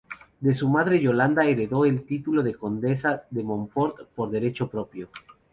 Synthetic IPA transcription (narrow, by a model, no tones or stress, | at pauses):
d̪e̞sumaðɾe̞ʝo̞land̪aeɾe̞ðo̞e̞lt̪it̪ulo̞ð̞e̞ko̞nd̪e̞saðe̞mõ̞ɱfo̞ɾt̪po̞ɾðe̞ɾe̞t͡ʃo̞pɾo̞pjo̞